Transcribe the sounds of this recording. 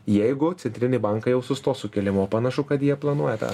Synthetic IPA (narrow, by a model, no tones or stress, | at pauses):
jɛɪɡʊt̪sʲɛnt̪ʲɾʲɪnʲɪbɐŋkɐjɛʊsʊst̪oːsʊkʲɛlʲɪmoːpɐnɐʃʊkɐt̪jiɛplˠɐnuɔjɛt̪ɑ̰ː